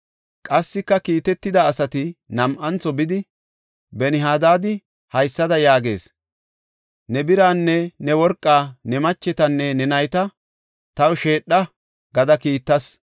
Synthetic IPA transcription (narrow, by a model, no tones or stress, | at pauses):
kʼɐsːɪkːɐkiːt̪ɛt̪ːɪd̪ɐːsɐt̪ɪnɐmʔɐnt͡sːɔbɪd̪ɪ | bɛnɪɦaːd̪aːd̪ɪ | hɐjsːɐd̪ɐjaːɡe̞̰ːs | nɛbɪɾaːnːɛnɛwɔɾkʼːaːnɛmɐt͡ʃːɛt̪ɐnːɛnɛnɐjt̪ɐ | t̪ɐwʃe̞ːɗːɐ | ɡɐd̪ɐkiːt̪ːɐs